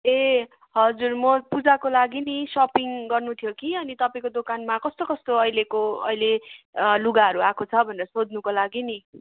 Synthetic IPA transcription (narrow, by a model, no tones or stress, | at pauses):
e | ɦʌd͡zurmʌpud͡zakolaɡinisʌpiŋɡʌrnut̪ʰjokiʌnit̪ʌpaĩkod̪okanmakʌst̪okʌst̪oʌjlekoʌ̰jle | luɡaɦʌɾuakʰot͡sʰʌbʱʌneɾʌsod̪nukolaɡini